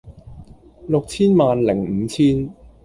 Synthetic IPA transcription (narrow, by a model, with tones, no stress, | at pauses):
lʊ˨k̚t͡sʰiː˥nmaː˨nlɪ˨˩ŋ̩ː˨˧˦t͡sʰiː˥n